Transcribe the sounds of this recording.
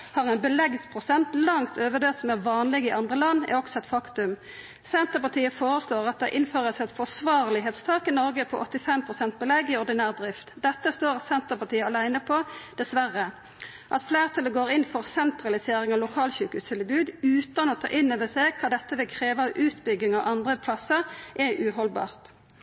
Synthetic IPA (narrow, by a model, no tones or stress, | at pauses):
hɑːʁɛnbəlɛɡspʰʁʊsɛnt̪lɑŋt̪ʰøːʋəd̪øːt̪sɔmæʁʋɑːnlɪɡɪʔɑnd̪ʁəlɑnːæ̰ɾɔksɔɛt̪fɑkt̪ʉm | sɛnt̪əpɑt̪ʰiːəfoːɾəsloːʁɑt̪̚d̪ɛʔɪnføːʁəsɛt̪fɔsʋɑːʁlɪɦeːt̪st̪ʰɑːkɪnɔɾɡəpʰɔʔɔt̪ːɪfɛmpʰʁʊsɛnt̪̚bəlɛɡːɪɔʁd̪ɪnæːʁd̪ɾɪft̪d̪ɛt̪ːəst̪oːʁɑt̪sɛnt̪əpɑʈʰiːəɑlæɪnəpʰɔd̪̥ɛsʋæʁə | ʔɑt̪fleːʁt̪ʰɑləɡoːʁɪnfɔʁsɛnt̪ʁɑlɪseːɾɪŋɑlʊkʰɑːlçʉːkʉst̪ʰɪlbʉːd̪ʉːt̪ɑnɔːt̪ʰɑ̰ːʔɪnøːʋəseɡkʰɑːd̪ɛt̪ːəʋɪkʰɾeːʋəɑʋʔʉːt̪bʏɡɪŋɑʋʔɑnd̪ʁəpʰlɑsəʁʔɛʔʉːɦɔlbɑ̰ːʁt̪